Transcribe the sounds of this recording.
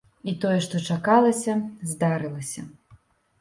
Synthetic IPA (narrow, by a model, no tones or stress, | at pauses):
it̪ɔjɛʂt̪ɔt͡ʂakalˠɐsʲɐzʲd̪aɾɨlˠɐsʲɐ̰